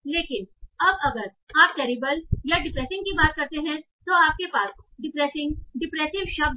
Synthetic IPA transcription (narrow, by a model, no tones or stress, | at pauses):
leːkɪnɐbɐɡəɾ | aːp̚kɛːɾɪbəljaɖɪpɾɛːsɪ̃ŋɡkibaːt̪̚kɐɾt̪eɦɛ̃ | t̪oaːp̚kepaːsɖɪpɾɛːsɪ̃ŋɡɖɪpɾɛːsɪʋʃɐb